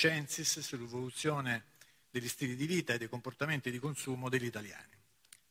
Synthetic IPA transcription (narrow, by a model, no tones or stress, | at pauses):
t͡ʃɛnsissulevolut̪sjoːne | d̪eʎːist̪iːlid̪iviːt̪aed̪ːejkomport̪ament̪id̪ikonsuːmod̪eʎːit̪alja̰ːni